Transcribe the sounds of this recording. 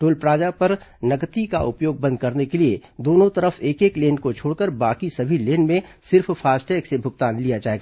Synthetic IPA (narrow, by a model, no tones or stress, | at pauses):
ʈoːlpɾaːd͡ʒapɐɾnɐkt̪ikaʔʊ̰pjoːɡ̚bɐ̃nd̪̚kɐɾnekelied̪oːnõt̪ɐɾəfʰeːkeːkleːnkot͡ʃʰoːɽkəɾbaːkisɐbʱileːnmẽsɪɾffʰaːsʈɛːksebʱʊɡt̪aːnlijad͡ʒaːeːɡaː